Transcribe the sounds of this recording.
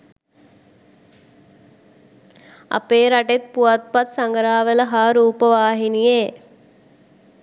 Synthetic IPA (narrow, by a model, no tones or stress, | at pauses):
a̰peːɾaʈet̪̚puʋat̪̚pat̪saŋɡəɾaːʋələɦaːɾuːpəʋaːɦinije